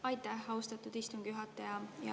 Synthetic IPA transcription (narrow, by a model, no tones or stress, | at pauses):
ɑjt̪ːæhɑwst̪ɑt̪ːˑud̪̥ist̪umɡ̥juɦɑt̪ːˑɑjɑjɑ̰